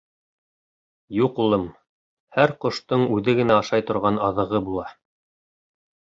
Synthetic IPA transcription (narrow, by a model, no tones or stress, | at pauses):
juqulˠɤm | hæɾqŏʃt̪ɤɴʉðɘɡɘ̆næɑʃɑjt̪ŏɾʁɑnɑðɤ̆ʁɤbulˠɑ